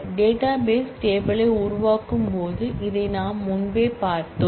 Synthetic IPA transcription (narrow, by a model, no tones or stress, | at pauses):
ɖeːʈaːbeːsʈeːbɐɭɐɪʊɾʊʋaːkɯmpoːðɯʔɪðɐɪnaːmːʊnbeːpaːɾt̪ɯ